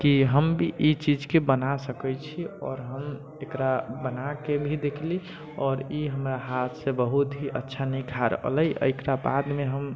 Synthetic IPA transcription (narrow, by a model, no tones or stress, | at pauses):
kiɦəmbʱiʔit͡ʃid͡ʒkebənasəkɛt͡ʃʰiɔ̰ːɾɦəm | ekɾabənakebʱid̪ekʰli | ɔːɾiɦəmɾaɦat̪ʰsẽbəɦut̪ɦiʔətːʃʰanikʰaɾə̰ɦləjə̰jkɾaba̰d̪meɦəm